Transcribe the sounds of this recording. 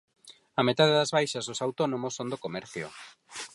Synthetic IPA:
ɐmet̪aðeðɐzβajʃazðosawt̪onõmosːond̪okomɛɾθjo̰

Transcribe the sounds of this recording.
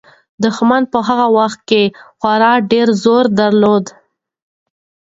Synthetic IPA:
d̪əxmand̪̚pəɦaɣawaxt̪̚kexwaɾɑɖeɾzoɾd̪aɾlod̪

